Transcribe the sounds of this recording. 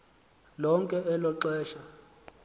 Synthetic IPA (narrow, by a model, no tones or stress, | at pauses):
lɔŋkʼɛɛlɔǁɛːʃa